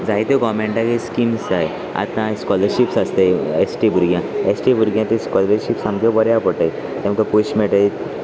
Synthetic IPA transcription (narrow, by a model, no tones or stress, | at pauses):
d͡zajt̪eɡɔmẽɳʈakeskimsaj | a̰t̪ãskɔləɾɕipsast̪ejesʈibʱuɾɡjãesʈibʱuɾɡjãt̪ĩskɔlɾəɾɕipsãmkobəɾjapəʈaj | t̪ẽmkapuɕmɛʈajt̪